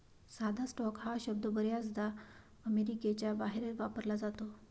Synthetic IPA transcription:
sad̪ʱasʈɔkɦaɕəb̚d̪əbəɾjasd̪a | əmeɾiket͡ɕjabaɦeɾeʋapəɾlad͡zat̪o

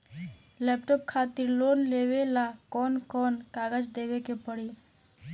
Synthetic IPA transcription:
lɛpʈɔp̚kʰat̪iɾloːnleːwelakɔnkɔːnkaɡəd͡ʒd̪ewekepəɽi

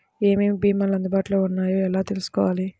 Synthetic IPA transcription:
e̞ːmibiːmɐlɐnd̪ubaːʈulo̞ːunːaːjoːɛlaːt̪e̞lusu̥kɔ̰ːʋaːli

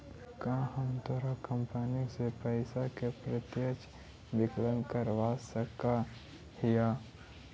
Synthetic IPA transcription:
kãɦəmt̪ɔɾakəmpənisepəɪsakepɾət̪jət͡ʃ | bɪklənkəɾʋasəka | hijaː

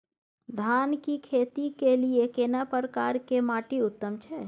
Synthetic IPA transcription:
d̪ʱaːnkikʰeːt̪ikeliekeːnapəɾəkaːɾkemaːʈiʊt̪ːəmt͡ʃʰɛ

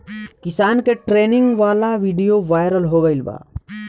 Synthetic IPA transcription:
kɪsaːnkeʈɾeːnɪ̃ŋɡʋaːlaʋiɖijoʋaːjɾəlɦoɡəɪlba̰ː

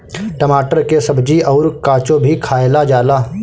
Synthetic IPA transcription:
ʈəmaːʈəɾkesɐbd͡ʒiɔʊɾkaːt͡ʃõbʱikʰaːelad͡ʒaːlaː

